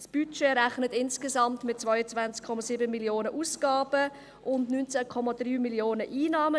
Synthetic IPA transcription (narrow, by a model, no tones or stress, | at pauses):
sb̥yt͡ʃeɾɛχnətɪnskesɑmtmɪt̚t͡svaʏət͡svant͡skʰːɔmasiːbəmiljoːnəʔuːsɡ̥ɑːb̥ə | ʔʊndnynt͡sɛkʰɔmadryːmiljoːnəʔiːnɑːmə